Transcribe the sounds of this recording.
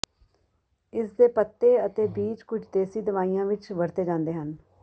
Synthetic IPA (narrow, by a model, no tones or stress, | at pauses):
ɪsd̪eːpət̪ːeːət̪eːbiːt͡ʃkʊd͡ʒʰd̪eːsiːd̪əʋaːijãːʋɪt͡ʃʋəɾt̪eːd͡ʒãːnd̪eːɦən